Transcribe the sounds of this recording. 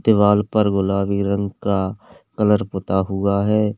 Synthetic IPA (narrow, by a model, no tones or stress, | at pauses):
d̪ɪʋaːlpəɾɡʊlaːʋiɾə̃ŋɡka | kələɾpʊt̪aɦʊaɦɛː